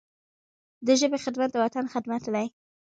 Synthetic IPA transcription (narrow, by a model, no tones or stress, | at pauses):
d̪əʒəbexɪd̪mat̪̚d̪əwat̪anxɪd̪mat̪laj